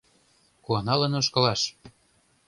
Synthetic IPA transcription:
kuɑnɑlɤ̆nŏʃkɤ̆lɑʃ

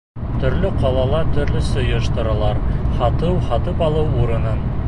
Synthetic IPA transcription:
t̪ɵ̆ɾlɵqɑlˠɑlˠɑt̪ɵ̆ɾlɵsŏjɤ̆ʃt̪ɤ̆ɾɤ̆lˠɑɾhɒt̪ɤwhɑt̪ɤpɑlˠɤwuɾɤ̆nɤn

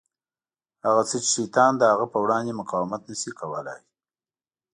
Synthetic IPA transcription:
haɣat͡sət͡ʃʃijt̪ɑnd̪əhaɣapəwɽɑnd̪emʊqɑwɪmat̪nəsikawəla̰j

